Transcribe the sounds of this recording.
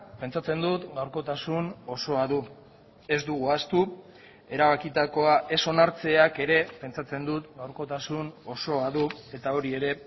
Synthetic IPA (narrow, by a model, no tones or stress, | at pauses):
pe̞nt͡sat͡se̞nd̪ut̪ɡawɾko̞t̪asuno̞so̞aðu | e̞zd̪uɣuast̪u | e̞ɾaβakit̪ako̞aʔe̞so̞naɾt͡se̞ake̞ɾe̞pe̞nt͡ʃat͡se̞nd̪ut̪ɡawɾko̞t̪asuno̞so̞aðue̞t̪ao̞ɾie̞ɾe̞